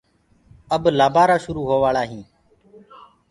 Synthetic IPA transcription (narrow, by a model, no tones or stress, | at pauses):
əblaːbaːɾaːʃʊɾuːɦoːʋaːɭaːɦĩː